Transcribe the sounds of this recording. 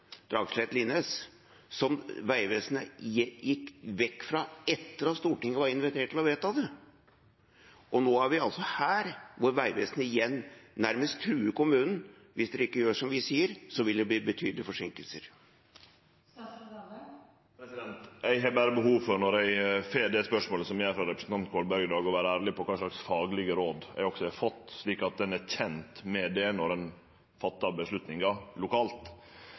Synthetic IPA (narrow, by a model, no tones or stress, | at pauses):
d̪̥ɾɑ̰ːɡslheːt̪lɪnəs | sɔmʋæɪʋeːsənəjɪjɪkːʋɛkːfɾɑɛt̪ːəɾɑst̪uːʈɪŋːəʋɑɾɪnʋɪt̪ʰeːʈʰːɪlɔʋeːt̪ɑʋd̪ɛ | ʔɔnoːæɾʋɪɑlsɔhæːɾʋʊɾʋæɪʋḛːsənəɪjɛnːnæɾməst̪t̪ʰːɾʉːəkʊmʉːnn̩ | ʋɪsd̪ɛɾɪkːəjøːʂɔmʋɪsiːəɾsɔʋɪld̪ɛb̪iːbət̪ʰyːd̪lɪfɔʂɪŋkəlsə̰ɾ | psɪd̪ɛnt̪ɛɪɦhɑbæːɾəbəhuːʋfɔɾnɔɾɛɪseːd̪ɛspœʂmoːləsɔmjææɪfɾɑɾɛpɾə̥sn̩t̪ɑnt̪kʰoːlbœɾɡd̪ɑːɡɔʋæːɾəæːɾlɪpʰɔkʰɑːʂɭɑksfɑːɡlɪɡəɾoːd̪ɛ̰ɪɡɔksɔhɛɾfɔt̪ːʂɭiːkɑt̪̚d̪ɛnæçɛnt̪mɛd̪ɛnɔɾɛn | fɑt̪ːɑbəʂlʉt̪nɪŋɑlʊkʰɑːlt̪